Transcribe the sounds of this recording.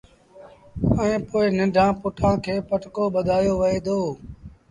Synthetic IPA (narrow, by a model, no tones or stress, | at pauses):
əẽːpoːɪnɪ̃ɳɖʱãːpʊʈʰãːkʰeːpəʈkoːɓəd̪ʱaːjoːʋəeːd̪oː